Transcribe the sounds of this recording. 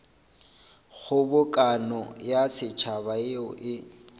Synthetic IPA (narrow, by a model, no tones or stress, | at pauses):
ɣʊbʊkʼanɔjasɪt͡ʃʰabaɪɔʔɪ